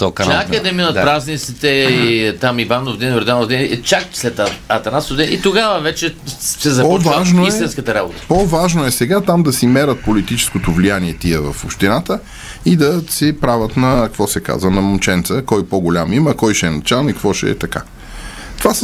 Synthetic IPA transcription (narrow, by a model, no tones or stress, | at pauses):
t̪ɔkɐakd̪ɐminət̪pɾaznit̪sit̪ɛit̪amivanovd̪ɛnvɾɛd̪anovd̪ɛnt͡ʃak̚slɛt̪ɐt̪ɐnat̪sovd̪ɛit̪oɡavɐvɛt͡ʃɛsɛzɐpvaʒnoisɛt̪inskət̪ɐɾabot̪ə̥povaʒnoɛsɛɡat̪amd̪ɐsimɛɾət̪̚polit̪it͡ʃɛ̥skot̪ovlijaniɛt̪iɛvɐfopʃt̪inat̪ə | id̪ɐsɛpɾavət̪nɐkkvɔsɛka̰zvənɐmot͡ʃɛnt̪səkɔjpoɡolʲamiməkɔjʃɛɛnɐt͡ʃalˠnoikvɔʃɛ̰ɛ̰t̪ɐka̰ | t̪ovas